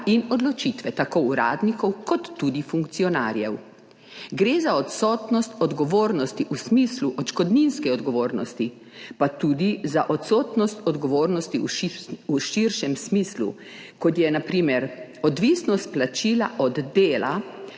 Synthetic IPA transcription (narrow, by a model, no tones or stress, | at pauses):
inɔd̪lɔt͡ʃit̪ʋɛt̪akoːɾa̰ːd̪nikɔwkɔt̪ːud̪ifuŋkt̪siɔna̰ːɾjɛw | ɡɾeːzaɔt̪sɔt̪nɔst̪ɔd̪ɡɔʋoːɾnɔst̪iʔusmisluʔɔt̪ʃkɔd̪ninskɛɔd̪ɡɔʋoːɾnɔst̪i | pat̪uːd̪izaʔɔt̪sɔt̪nɔst̪ɔd̪ɡɔʋoːɾnɔst̪iuiuʃiɾʃɛmsmiːslṵ | kɔt̪jɛnapɾiːmɛɾɔd̪ʋisnɔst̪̚plat͡ʃiːla̰ʔɔd̪ːeːla